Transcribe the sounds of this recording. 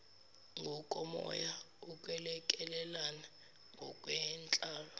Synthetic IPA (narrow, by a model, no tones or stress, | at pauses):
ŋʱɔkʼɔmɔ̰ja | uk̬ʼwɛlɛkʼɛlɛlana | ŋʱɔkʼwɛnt͡ɬʼaːlɔ